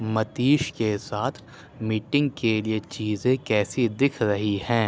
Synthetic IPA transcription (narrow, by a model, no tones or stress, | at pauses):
mɐt̪iːʃkesaːt̪ʰ | miːʈɪ̃ŋɡkeliet͡ʃiːzẽkɛːsid̪ɪkʰɾɐɦihɛ̃ː